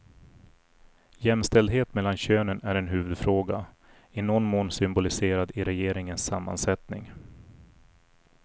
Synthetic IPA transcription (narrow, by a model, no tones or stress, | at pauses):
jɛmst̪ɛld̪ɦeːt̪mɛlːanɕøːnənæɾɛnɦʉ̟ːvɵd̪fɾoːɡa | ɪnɔnːmoːnsʏmbʊlɪseːɾad̪ɪɾɛjeːɾɪŋənsːamːa̰nsɛt̪nɪ̰ŋ